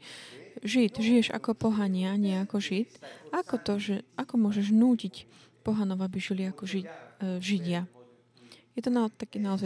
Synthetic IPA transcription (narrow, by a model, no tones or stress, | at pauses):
ʒit̪ʒijɛʒa̰kɔpɔɦaɲɪaɲɪɛakɔʒit̪akɔt̪ɔʒɛʔakɔmʊɔʒɛʒnuːcic | pɔɦanɔʊabiʒiliakɔʒiʒiɟɪa | jɛt̪ɔnat̪akiːnaɔza